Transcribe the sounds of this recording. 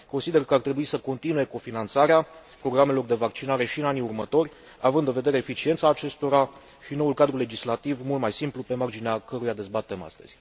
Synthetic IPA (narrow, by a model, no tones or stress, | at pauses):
konsid̪e̞rkəart̪ɾe̞buisəko̞nt̪inuje̞ko̞finant̪saɾeapɾo̞ɡɾame̞lo̞rd̪e̞vakt͡ʃinaɾe̞ʃiɨnaniurmət̪o̞rʲ | avɨnd̪ɨnve̞d̪e̞ɾeːfit͡ʃie̞nt̪saːt͡ʃe̞st̪o̞ɾa | ʃino̞ulkad̪ɾule̞d͡ʒislat̪ivmult̪majsimplupe̞mard͡ʒineakəɾujad̪e̞zbat̪e̞ma̰st̪ə̰z̥ʲ